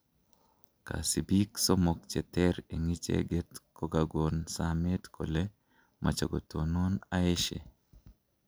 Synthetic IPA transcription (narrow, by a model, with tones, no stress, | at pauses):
ka̰˨si˨bi˦kso˦mok̚t͡ʃɛ˨tɛ˦ɾe˨ŋi˦t͡ʃḛ˦ɡe˦tko˦ɡaɡo˨nsame˦t̪kʰo˨le | mʔa̰˨t͡ʃo˨ɡo̰˨to˨no˦nae˦ʃḛ˨